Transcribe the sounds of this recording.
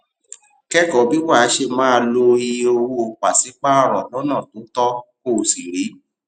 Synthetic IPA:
kɛ˦kɔ˨˦bi˦wa˦˨a˨˦ʃe˧mã˦˧lo˧i˧o˧wo˦˧k͡pa˨si˨˦k͡pa˦a˦˨ɾɔ˨lo˨˦nãː˦˨tõ˨˦tɔ˦ko˦˨si˨ɾi˨˦

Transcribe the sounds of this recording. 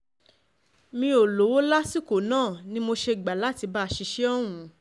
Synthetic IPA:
mĩ˧˦o˨lo˨˦wo˦la˦si˦ko˨nãː˦˨nĩ˦mo˧ʃe˧˨ɡ͡ba˨la˨˦ti˧ba˦˧ʃi˧ʃe˦ɔ˦w̃ũ˨˧˦

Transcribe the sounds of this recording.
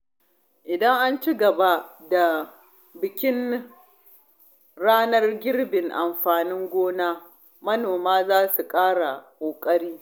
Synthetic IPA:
ʔɪ˨dɐ˦ŋʔa˦nt͡ʃi˦ɡɐ˨ba˦da˨ | bɪ˨kʲɪ˦n | ɽaː˦nɐ˦rɡʲɪ˦rbɪ˨ŋʔa˨mɸaː˨nɪ˦ŋɡʷoː˦naː˦ | mɐ˦noː˨maː˦zaː˦su˨kʼaː˦ɽa˨kʷʼoː˨kʼɐ˦ɽiː˦

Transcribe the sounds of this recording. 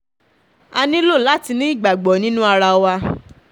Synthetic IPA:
a˧nĩ˦lo˦˨la˨˦ti˧nĩ˦i˦˨ɡ͡ba˨ɡ͡bɔ˨˦nĩ˦nũ˦a˧ɾa˧wa˧

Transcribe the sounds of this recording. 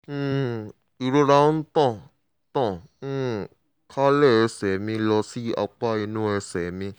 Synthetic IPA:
i˨ɾo˧ɾã˧˦n̩˦t̪ɔ̃˦˧˨ | t̪ɔ̃˦˨˧ | kʰa˦lɛ˦˨ɛ˧sɛ˨mĩ˧lɔ˧si˦ʔa̰˧k͡pa˦i˧nũ˦ɛ˧sɛ˨mĩ˧

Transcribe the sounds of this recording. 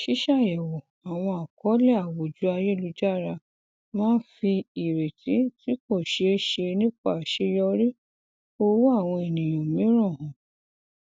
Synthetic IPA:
ʃi˨˦ʃa˦˨jɛ˨wɔ˨ | a˨w̃ɔ̃˧a˨kɔ˨˦lɛ˦˨a˨wo˨d͡ʒu˨˦a˧je˦˨lu˧d͡ʒa˦˨ɾa˧ | mãː˦n̩˦fi˧i˨ɾe˨tʰi˨˦ti˦ko˦˨ʃe˧˦ʃe˧nĩ˦k͡pa˦˨ʃe˦jɔ˧ɾi˦ | o˧wu˦a˦˨w̃ɔ̃˧e˨nĩ˨j̃ɔ̃˨mĩ˨˦ɾ̃ɔ̃˦˨hɔ̃˨

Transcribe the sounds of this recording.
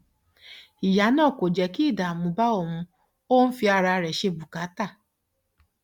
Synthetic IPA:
i˨ja˨˦nɔ̃˦˨kʷo˨d͡ʒɛ˨ki˦˨da˨mũ˨ba˦o˨mũ˧ | o˦n̩˦fi˧a˧ɾa˧ɾɛ˨ʃe˧bu˨ka˨˦ta˦˨

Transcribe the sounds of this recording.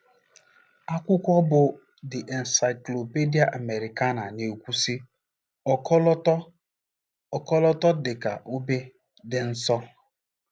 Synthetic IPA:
a˦kʷʊ˦kʷɔ˦bʊ˨ | dɪ˨ʔɛ˨n̩˨sa˨ɪ˨klo˨pe˦di˦a˨ʔa˨me˨ɾi˨ka˦na˨ne˨kʷu˦si˦ | ɔ˨kɔ˦lɔ˦tɔ˦ | ɔ˨kɔ˦lɔ˦tɔ˦dɪ˨ka̰˨ʔo˦be˦ | dɪ˨n̩˦sɔ˦

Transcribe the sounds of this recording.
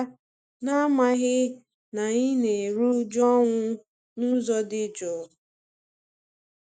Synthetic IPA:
na˦ma˦ɣɪ˦ | na˨ɲi˦ne˨ɾu˦d͡ʒɔ˦ŋʷʊ˦ | nu˦zɔ˦dɪ˦d͡ʒɔ˨˦

